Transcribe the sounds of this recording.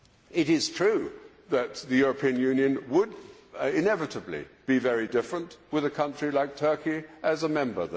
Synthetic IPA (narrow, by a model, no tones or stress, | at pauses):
ɪɾɪz̥tʰɹ̥ʉ | ðɨt̪̚ðɨjʊɹɨpʰiɨ̃njʉ̃njɨ̃nwəd̚ɪ̃nɛvɨɾəblḭb̥ivɛɹidɪfɹə̃nʔwɨðɨkʰʌ̃nt͡ʃɹ̥ilaɪk̚tʰɜ˞kiʔɨzəmɛ̃mbə̰˞ð